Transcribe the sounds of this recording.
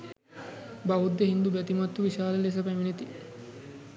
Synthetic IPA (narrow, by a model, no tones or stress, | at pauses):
baɦud̪ːeɦind̪ubɛt̪imɐt̪ːuʋiʃaːlɐles̬ɐpæminet̪i